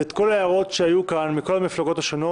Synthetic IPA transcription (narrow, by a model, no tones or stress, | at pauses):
et̪ko̞laaʁo̞t̪ʃeajukanmiko̞lamiflaɡo̞t̪aʃono